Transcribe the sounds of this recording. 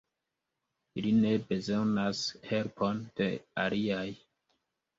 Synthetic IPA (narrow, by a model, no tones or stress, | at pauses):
iline̞be̞zo̞nashe̞lpʰo̞nd̥e̞aliaj